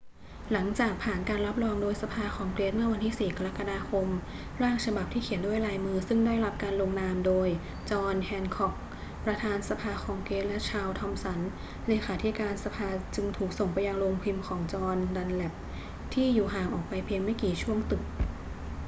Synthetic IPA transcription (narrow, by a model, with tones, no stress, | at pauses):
la˩˦ŋt͡ɕaː˨˩k̚pʰaː˨˩nkaː˧nɾa˦˥p̚ɾɔː˧ŋdoː˧jsa˧pʰaː˧xʰɔː˩˦ŋkleː˦˥t̪̚mɯ˥ɐwa˧nt̪ʰiː˥˩siː˨˩ka˧ɾa˦˥kːa˧daː˧kʰo˧m | ɾaː˥˩ŋt͡ɕʰa˧ba˨˩p̚t̪ʰiː˥˩kʰi˩˦əndu˥˩əjɾaː˧jmɯː˧sɯ˥˩ŋdaː˥˩jɾa˦˥p̚kaː˧nlo˧ŋnaː˧mdoː˧j | t͡ɕɔː˧nhʰɛː˧nkʰɔ˨˩k̚ | pɾa˧t̪ʰaː˧nsa˧pʰaː˧xʰɔː˧ŋkleː˦˥t̪̚lɛ˦˥t͡ɕʰaː˧wt̪ʰɔ˧msa˩˦n | leː˨˩˦xʰaː˩˦t̪ʰi˦˥kaː˧nsa˧pʰaː˧t͡ɕɯ˧ŋt̪ʰuː˨˩k̚so˨˩ŋpa˧jːa˧ŋlo˧ŋpʰi˧mkʰɔː˩˦ŋt͡ɕɔː˧nda˧nlɛ˨˩p̚ | t̪ʰiː˥˩juː˨˩ɦaː˨˩ŋʔɔː˨˩k̚pa˧jpʰiː˧ŋma˥˩jkiː˨˩t͡ɕʰu˥˩əŋt̪ɯ˨˩k̚